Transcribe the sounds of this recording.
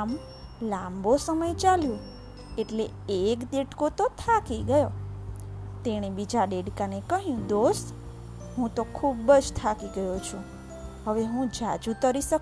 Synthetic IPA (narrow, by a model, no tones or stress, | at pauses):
m | lambosəməjt͡ʃaljũ | eʈle | ekd̪eʈkot̪ot̪ʰakiɡəjo | t̪eɽ̃ebid͡ʒaɖeɖkanekəɦjũd̪ost̪ | ɦũt̪okʰubəd͡ʒt̪ʰakiɡəjot͡ʃʰũ | ɦəʋeɦũd͡ʒad͡ʒut̪əɾiʃək